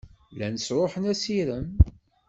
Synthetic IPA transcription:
lænsɾoħənæsiɾən

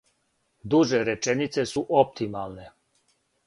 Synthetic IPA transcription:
d̪uʒeɾɛt͡ʃɛnit̪sɛsuʔɔp̚t̪imalne

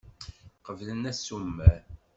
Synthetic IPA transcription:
qəvlənæsumːæɾ

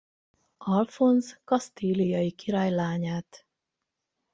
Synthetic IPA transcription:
ɒlfo̞nzkɒst̪iːlijɒjikiɾaːjlaːɲaːt̪

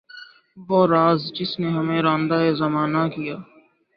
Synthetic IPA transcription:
ʋoːɾaːzd͡ʒɪsneɦɐmẽɾãːnd̪aːezɐmaːnakijaː

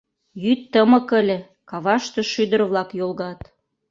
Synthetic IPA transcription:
jyt̪ːəmɤ̆kə̆lʲĕ | kɑβɑʃt̪ɤ̆ʃyd̪ə̆ɾβlɑkjolɣɑt̪

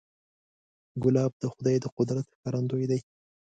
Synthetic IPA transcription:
ɡʊlɑb̚d̪̥əxʊd̪ɑjd̪əqʊd̪ɾat̪xkaɾand̪ojd̪aj

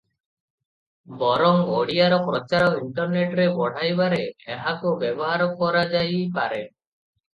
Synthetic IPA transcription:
bɔɾɔŋɡoɽiaɾɔpɾɔt͡ʃaɾɔkiɳʈɔɾneʈɾebɔɽ̤ajbaɾeːɦakubɛbɔɦaɾɔkɔɾad͡ʒajpa̰ɾe

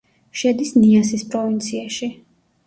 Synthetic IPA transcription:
ʃɛd̪isniasispʼɾɔvint̪sʰiaʃi

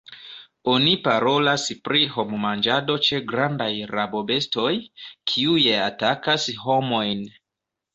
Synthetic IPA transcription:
o̞nipaɾo̞laspɾiɦo̞mumand͡ʒado̞t͡ʃe̞ɡɾandajɾabo̞be̞sto̞jkʰiujeatakasɦo̞mo̞jn

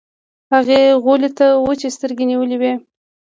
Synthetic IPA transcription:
haɣeɣolet̪awət͡ʃest̪əɾɡʲeniwəliwe

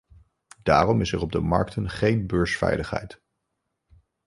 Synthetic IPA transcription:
d̥aːrɔmɪsɛɹɔb̚dəmɑɹktʰənχejnbøːɹsfɛ̰jləχɦɛ̰jt

